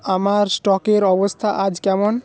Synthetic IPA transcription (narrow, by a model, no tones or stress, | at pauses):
amaɾsʈɔkeɾɔbɔst̪ʰaʔad͡ʒkɛmɔn